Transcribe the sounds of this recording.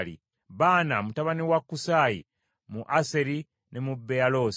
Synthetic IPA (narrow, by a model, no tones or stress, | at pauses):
ḭ | βaːnamutaβaniwakːusaːjḭ | muʔase̞ɾi | nemubːealos